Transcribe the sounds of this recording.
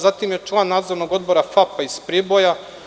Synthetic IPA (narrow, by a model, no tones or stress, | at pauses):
zat̪imje̞t͡ʂlˠanːaːd̪zoɾno̞ɡo̞d̪̚bo̞ɾafapaispɾibo̞ja